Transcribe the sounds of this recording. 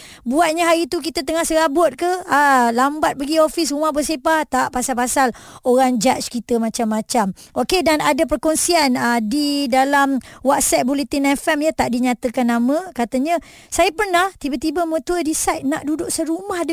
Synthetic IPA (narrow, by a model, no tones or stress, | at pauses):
buat̪̚ɲaɦaɾit̪uk̬it̪ət̪əŋahsəɾabʊt̪̚kəalambat̪̚baɡiofis̬rumahbəsepat̪aʔpasalpasaloɾaŋd͡ʒat͡ʃkit̪əmãt͡ʃamːat͡ʃamʔokedanadap̬ərkonsianədidalamwat̪̚sɛt̪̚buleht̪inɛfɛmjət̪aʔdiɲat̪əkanːamə̃kat̪əɲə̃ | sajəpərnaht̪ibat̪ibamə̃t̪uədisajt̪̚naʔdudʊʔsəɾumahd